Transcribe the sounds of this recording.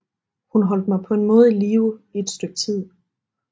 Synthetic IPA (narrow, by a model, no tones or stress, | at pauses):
hunɦɒ̽l̰d̥̚mɑ̈ɪpʰɒ̽e̝nmɔ̽ːð̞̩ˠiliːʊie̝d̥sd̥øɡ̥̚t͡sʰið̞̰ˠ